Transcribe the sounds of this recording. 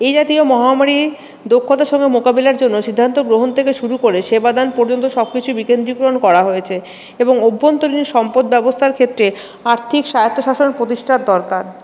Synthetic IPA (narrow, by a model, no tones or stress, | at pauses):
ejd͡ʑat̪iomɔɦamaɾi | d̪okʰːot̪aʃɔŋɡemokabilaɾd͡ʑonːoʃid̪ʱːant̪oɡɾoɦont̪ʰekeʃuɾukoɾeʃebad̪anpoɾd͡ʑont̪oʃɔb̚kit͡ɕʰubikend̪ɾikɾoonkɔɾaɦoet͡ɕʰe | eboŋobʱːont̪oɾiniʃɔmpod̪̚bɛbost̪ʰaɾkʰet̪ːɾe | aɾt̪ʰikʃajot̪ːoʃaʃonpɾot̪iʃʈʰad̪ɔɾkaɾ